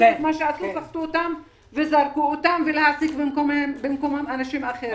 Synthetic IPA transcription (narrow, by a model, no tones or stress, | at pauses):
et̪maʃeasusaχt̪uot̪am | ve̞zaʁkuot̪amvelehasikbemkomebemko̞mamanaʃimaχe